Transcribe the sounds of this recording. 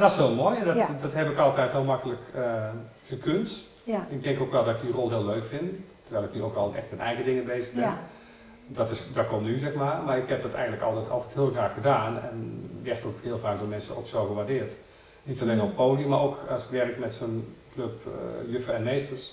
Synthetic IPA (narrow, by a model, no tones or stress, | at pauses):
dɔshoəlˠmoːjɛndɔtdɔtɦɛpɪkɑlˠtɛjtɦɪəlˠmakələkəxəkʰønt | ɪɡ̚dɛŋkokʋɛlˠdɔtɪk̚dirɔlˠɦɪəlˠøɥkfɪntərɹʋɛɪlˠɪknyo̰kɔlˠɛ̰xtmɛtɛjɣədɪŋənbeːzəɣbɪn | dɔtɪsdɔt̚kʰɔmnyzɛxmamaɹɪkhɛp̚dɔtɛ̰jɣən̩dləkɑ̰lˠtɛtɑ̰lˠtɛthɪəlˠxraːxxədaːnɛ̰nʋɛxtokhɪəlˠfaːk̚dʊːmɛnsəno̰wksoːɣəʋaːrdɪərt | nitaleːnɔpːoːdijəmaowkasɪ̥kʋɛrəkmɛtsoːnkløpjøfəɛnmeːstəs